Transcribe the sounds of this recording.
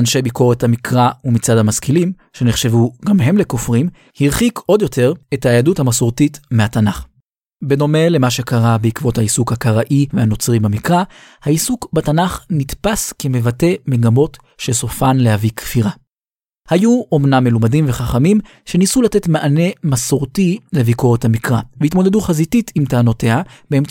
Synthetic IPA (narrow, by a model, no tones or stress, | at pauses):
anʃe̞jbiko̞ʁethamikʁaumit͡sadhamaskilim | ʃe̞neχʃe̞vuɡamɦe̞mle̞ko̞fʁim | hiʁχiko̞d̪jo̞tʰe̞ʁethaːjaduthamasoʁtitmehatanaχ | be̞do̞me̞le̞maʃe̞kaʁabeikvo̞thaisukhakaʁaʔivehano̞t͡sʁibamikʁa | haisukbatanaχnitpaskeme̞vate̞me̞ɡamo̞t | ʃe̞so̞fanlehavikfiʁa | hajuo̞mnamːelomadimve̞χaχamim | ʃe̞nisulatetmaʔane̞masoʁtile̞vikoothamikʁaveitmo̞de̞duχazititimtaːno̞teabeem